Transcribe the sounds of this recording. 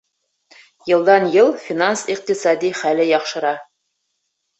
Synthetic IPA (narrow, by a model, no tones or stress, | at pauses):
jɤ̆lˠd̪ɑnjɤlˠfʲinansiq̚t̪isɑd̪ʲiχælɘjɑqʃɤ̆ɾɑ